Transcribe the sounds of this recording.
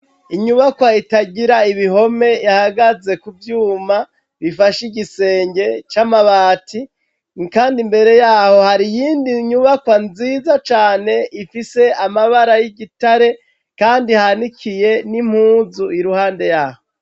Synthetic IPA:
iɲuβakwaitaɟiɾaiβiɦo̞me̞jahaɡaze̞kuvjuːma | βifaʃiɟise̞ːɲɟe̞t͡ʃamaβaːti | nkaːndimbe̞ɾe̞jaːho̞haɾijiːndiɲuβakwanziːzat͡ʃaːne̞ʔifise̞amaβaɾajiɟitaɾe̞ | kaːndihanikʰije̞nim̥huːzuiɾuhaːnde̞jaːho

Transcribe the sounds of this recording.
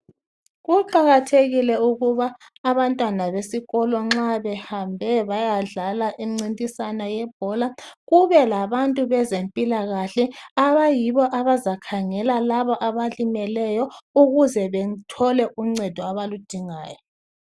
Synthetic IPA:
ɣuǃaɣatʰeɣilɛuɣuβaː | βantʼwanaβesiɣɔlɔŋ͡ǁaβɛhambʱɛβajaɮalaʔiŋ͡ǀintʼisanajɛb̥ʱɔlaɣuβɛlaβantʼuβɛzempʼilaɣaɬɛaβajiβɔʔaβazakʰaŋɛlalaβɔʔaβalimɛlɛjɔuɣuzɛβɛtʰɔlɛʔuŋ͡ǀɛd̥ʱɔaβalud̥ʱiŋaːjɔ

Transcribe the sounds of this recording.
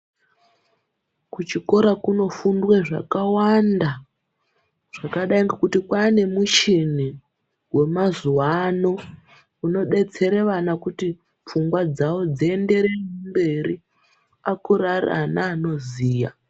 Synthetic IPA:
kut͡ʃiko̞ɾakuno̞fundweʐa̰kawanda | ʐ̥akaɗaiŋɡakutikwane̞mut͡ʃini | we̞mazuwano̞ | uno̞ɓe̞t͡se̞ɾe̞ʋanakuti | p͡fuŋɡwad͡zawo̞d͡ziende̞ɾemumbe̞ri | akurara̰naːno̞ziːja̰

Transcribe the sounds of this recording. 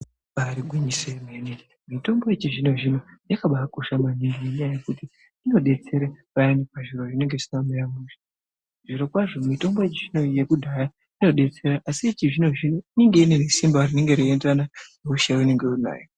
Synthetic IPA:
aɾiɡʱwiɲisemenin | mito̞mbojet͡ʃiʐino̞ʐinojakaɓaako̞ʃamaniŋɡineɲajaje̞kuti | ino̞ɗe̞t͡se̞ɾepajanikaʐiɾoʐine̞ŋɡe̞sinambajamuʃḁ | ʐiɾo̞kwaʐo̞mito̞mbo̞jet͡ʃiʐino̞jekudʱaja | ino̞ɗe̞t͡se̞ɾaʔasit͡ʃiʐino̞ʐinoine̞ŋɡe̞inene̞simbarine̞ŋɡe̞ɾiendananuʃaune̞ŋɡe̞una̰ːjo

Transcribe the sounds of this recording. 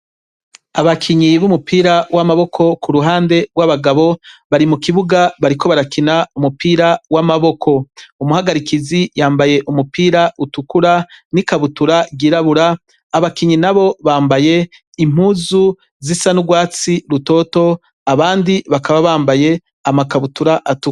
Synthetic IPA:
aβakʰiɲiβumupʰiːɾawʔamaβo̞kʰo̞kʰuɾuɦaːnde̞ɡwaβaɡaβo̞βaɾimukiβuɡaβaɾiko̞βaɾakinaumupʰiːɾawamaβo̞kʰo̞umuhaɡaɾikizijaːmbaje̞ʔumupʰiːɾaʔutukuɾanikaβutuɾaɡiɾaβuɾaː | βakiɲinaβo̞βaːmbaje̞ | im̥huːzu | zisanuɡwaːt͡siɾuto̞ːto̞ | aβaːndiβakaβaβaːmbaje̞ | amakaβutuɾaʔatuk

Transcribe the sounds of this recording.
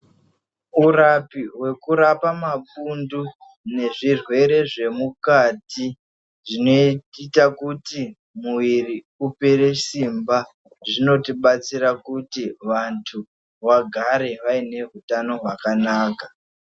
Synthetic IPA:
urapiwe̞kuɾapamapundu | ne̞ʐirwe̞ɾe̞ʐe̞mukati | ʐino̞ititakuti | muwiri | upeɾe̞simba | ʐino̞tiɓat͡siɾakutiʋantʰu | ʋaɡʱaɾe̞ʋaine̞ɦutano̞ɦwakanaːka

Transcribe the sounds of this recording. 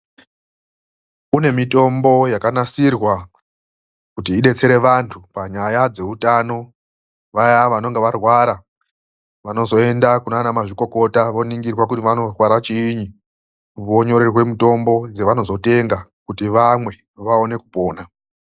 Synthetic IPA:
une̞mito̞mbo̞jakanasirwa | kutiːɗe̞t͡se̞ɾe̞ʋantʰupaɲajad͡ze̞utano̞ | ʋajaʋano̞ŋɡeʋarwaɾa | ʋano̞zo̞e̞ndakunanamaʐiko̞ko̞taʋo̞niŋɡirwak̬utiʋano̞rwaɾat͡ʃiːɲi | ʋo̞ɲo̞ɾerwe̞muto̞mbo̞d͡zeʋano̞zo̞te̞ŋɡakutiʋamwe̞ | ʋao̞ne̞kupo̞ːna

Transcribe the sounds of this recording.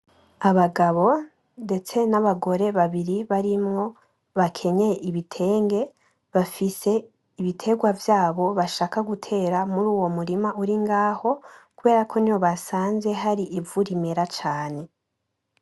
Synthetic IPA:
aβaɡaβo̞ | nde̞t͡se̞naβaɡo̞ɾe̞βaβiɾiβaɾimŋo̞ | βakʰe̞ɲeʔiβitʰe̞ːŋɡe̞ | βafise̞ | iβitʰe̞ɡwavjaːβo̞βaʃaːkaɡutʰe̞ːɾamuɾuːwomuɾimauɾiŋɡaːho̞kuβe̞ːɾakʰo̞niwo̞βasaːnze̞ɦaɾiʔivuɾime̞ɾat͡ʃaːne̞

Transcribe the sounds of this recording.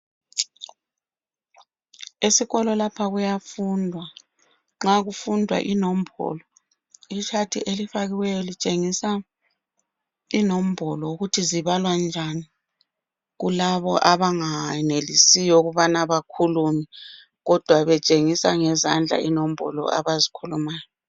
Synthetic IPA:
esiɣɔlɔlapʰaɣujafundʱwa | ŋ͡ǁaɣufundʱwa̰ʔinom̩bʱɔ̰lɔ | it͡ʃʰatʰiʔelifaɣiwɛjɔlit͡ʃʼeŋisa | inom̩bʱɔlɔuɣutʰiziβalwand͡ʒʱani | ɣulaβɔʔaβaŋanelisijɔuɣuβanaβakʰulumi | ɣɔd̥ʱwaβɛt͡ʃʼeŋisaŋɛzand͡ɮʱa̰inom̩bʱɔ̰lɔ̰ʔa̰βazikʰulumaːjɔ

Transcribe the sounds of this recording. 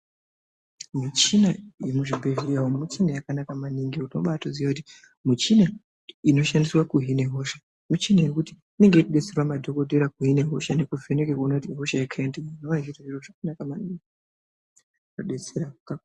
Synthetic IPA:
mut͡ʃinajemuʐibʱeviawomut͡ʃinajakanakamaniŋɡeutno̰ɓatozijakuti̥ | mut͡ʃina | ino̞ʃandiswakuɦine̞ɦo̞ʃa | mut͡ʃinajekuti | ine̞ŋɡe̞ikuɗet͡se̞rwamadʱo̞kodʱe̞ɾakuɦine̞ɦo̞ʃanekuvʱe̞nekekonakutiɦo̞ʃajakʰaendeinoʋaitaʐiroʐakanakamaniŋɡi | noɗe̞t͡seɾaka

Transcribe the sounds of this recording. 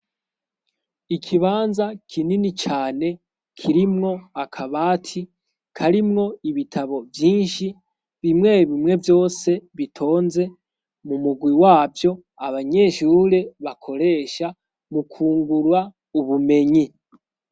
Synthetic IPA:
ikʰiβaːnzakʰininit͡ʃaːne̞ | kʰiɾimŋo̞akʰaβaːtʰi | kʰaɾimŋo̞iβitʰaβo̞vjiːnʃi | βimŋe̞βimŋe̞vjo̞ːse̞βitʰo̞ːnze̞ | mumuɡwiwaːvjo̞ | aβaɲe̞ʃuɾe̞βakʰo̞ɾe̞ːʃa | mukʰuːŋɡuɾwa | uβume̞ɲi

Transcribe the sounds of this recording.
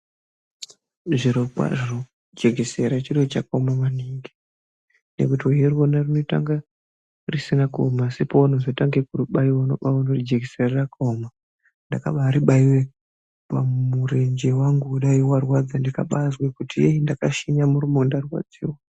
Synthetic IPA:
ʐiɾokwa̰ʐino | d͡ʒeɡʱeseɾat͡ʃiret͡ʃakamamaneŋɡe | nḛkutioɦerwonarinota̰ŋɡa | risinakomasipounozotaŋɡekuruɓaiwano̞̰ɓaunorid͡ʒeɡʱeserarakoma | ndaka̰ɓaːɾiɓaiwe | pamure̞ɲd͡ʒewaŋɡuuɗaiwarwad͡zandika̰ɓazwekutijeindakaʃiɲamuɾumondarwa̰d͡zḭːwa

